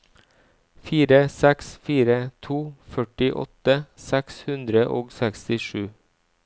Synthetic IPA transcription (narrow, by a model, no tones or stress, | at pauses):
fiːɾəsɛksfiːɾət̪ʰuːfœʈɪʔɔ̰t̪əsɛkshʉnd̪ɾəʔo̰ːɡsækst̪ɪʃʉː